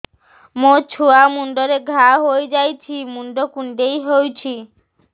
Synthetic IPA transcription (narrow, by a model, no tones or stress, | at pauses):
mot͡ʃʰuamuɳɖɔɾeɡʱaɦojd͡ʒajt͡ʃʰimuɳɖokuɳɖejɦojt͡ʃʰi